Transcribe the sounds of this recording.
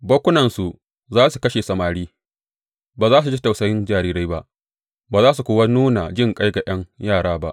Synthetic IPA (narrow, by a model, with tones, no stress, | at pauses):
bɐ˦kʷʊ˦nɐ˨nsu˨ʔ | zaː˦su˨kɐ˦ʃeː˨sɐ˨maː˨ɽiː˦ | baː˨zaː˦s̬u˨d͡ʒi˦ta˨wsɐ˦jɪ˦nd͡ʒaː˨ɾiː˦ɾa˦jba˦ʔ | baː˨zaː˦s̬u˨kʷoː˦wa˦nuː˦na̰˨d͡ʒɪ˦˨ŋkʼa˦jɡa˨j̰ʔɐ˦ŋjaː˦˨ɽaː˦ba˦ʔ